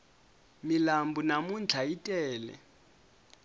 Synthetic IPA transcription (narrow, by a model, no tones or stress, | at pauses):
milambunamund͡ɮʰʱaitʼɛːlɛ̰